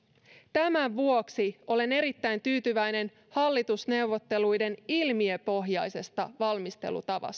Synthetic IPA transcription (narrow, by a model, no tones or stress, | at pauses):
t̪æmæʋuo̞ksio̞le̞ne̞ɾit̪ːæjnt̪yːt̪yʋæjne̞n | hɑlːit̪usne̞wʋo̞t̪ːe̞lujde̞nilmie̞po̞ɦjɑjse̞st̪ɑʋɑlmist̪ḛlṵt̪ɑʋɑ̰st̪ɑ